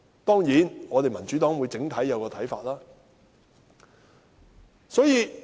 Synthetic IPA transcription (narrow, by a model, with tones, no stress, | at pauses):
t̪ɔː˥ŋjiː˨˥nŋɔː˨˧t̪e˨jmɐ˨˩nt͡ʃy˨˥t̪ɔː˨˥ŋwuː˨˧jt͡sɪ˨˥ŋt̪ʰɐ˨˥jjɐ˨˧wkɔː˧t̪ʰɐ˨˥jfa̰ː˧t̚laː˥ | sɔː˨˥jiː˨˧